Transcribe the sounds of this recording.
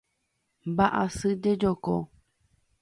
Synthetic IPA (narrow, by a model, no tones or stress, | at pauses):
baʔa̰sɨd͡ʒed͡ʒokɔ